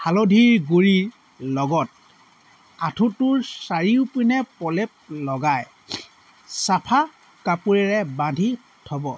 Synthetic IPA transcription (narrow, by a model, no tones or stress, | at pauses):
halodʱiɹɡuɹiɹ | lɔɡɔt̚ | atʰutʊɹsaɹiʊpinɛpɔlep̚lɔɡaj | sapʰa | kapuɹɛɹɛbãndʱi | tʰɔbɔ